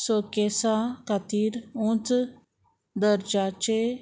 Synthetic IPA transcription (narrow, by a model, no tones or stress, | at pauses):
sokesakat̪iːɾũt͡s | d̪əɾd͡ʒaːt͡ʃe